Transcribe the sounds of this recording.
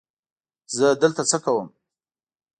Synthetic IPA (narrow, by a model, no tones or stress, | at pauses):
zəd̪əlt̪at͡səkawəm